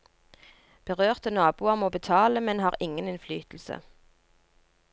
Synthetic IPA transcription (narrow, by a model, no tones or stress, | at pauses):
b̥əʁøːʁt̪ənɑːbuːɑʁmoːbət̪ʰɑːləmɛnhɑːʁɪŋənɪnflyːt̪l̩sə̰